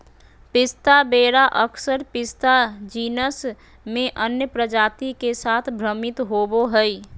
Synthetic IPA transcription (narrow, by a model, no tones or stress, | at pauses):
pɪst̪abeːɾaʔəkʰsəɾpɪst̪ad͡ʒiːnəs | mẽʔənjəpɾəd͡ʒaːt̪ikesaːt̪ʰbʱɾəmɪt̪ɦoːboɦəi